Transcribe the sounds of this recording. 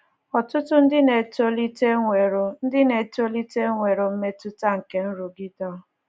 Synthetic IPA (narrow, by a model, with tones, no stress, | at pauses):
ɔ˨tʊ˦tʊ˦n̩˦dɪ˦ne˨to˦li˦te˦ŋʷe˨ɾo˨n̩˦dɪ˦ne˨to˦li˦te˦ŋʷe˨ɾo˨m̩˦me˦tu˦ta˦ŋ̩˨ke˨n̩˦ɾu˨ɡi˦tɔ˦